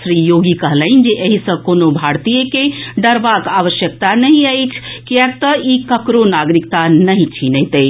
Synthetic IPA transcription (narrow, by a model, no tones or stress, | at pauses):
sɾijoɡikəɦləɪnd͡ʒeʔəɦisə̃konobʱaɾt̪ijəkeɖəɾbakaʋəʃjək̚t̪anəɦĩəjt͡ʃʰkijək̚t̪əikəkɾonaɡɾikt̪anəɦĩt͡ʃʰinəɦit̪ə